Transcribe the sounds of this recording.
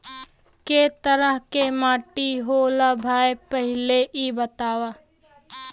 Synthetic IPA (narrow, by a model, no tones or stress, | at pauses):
ket̪əɾəɦkemaːʈiɦoːlabʱaːjpəɦɪleʔibət̪aːwaː